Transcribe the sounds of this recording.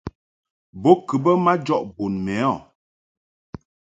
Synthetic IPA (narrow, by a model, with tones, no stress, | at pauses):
bo˦kɨ˨bə˦ma˦d͡ʒɔ˦ʔbo˨nmɛ˨˦ɔ˦˨